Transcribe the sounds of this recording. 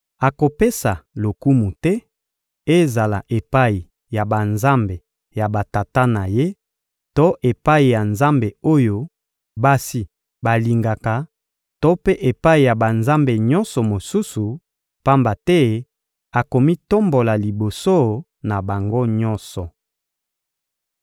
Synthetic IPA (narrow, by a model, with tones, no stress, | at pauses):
a˨ko˨pe˦sa˨lo˨ku˦mu˨tɛ˦ | e˦za˨la̰˨ʔe˨pa˦i˨ | ja˨ba˨nza˦mbe˨ | ja˨ba˨ta˨ta˦na˨je˦ | to˦ʔe˨pa˦i˨ja˨nza˦mbe˨o˦jo˦ | ba˦si˨ | ba˨li˨ŋɡa˨ka˨ | to˦pe˦ʔe˨pa˦i˨ja˨ba˨nza˦mbe˨ɲɔ̃˦nsɔ˨mo˨su˦su˨ | pa˦mba˨tɛ˦ | a˨ko˨mi˦to˦mbo˨la˨li˨bo˨so˦ | na˨ba˨ŋɡo˦ɲɔ˦nsɔ˨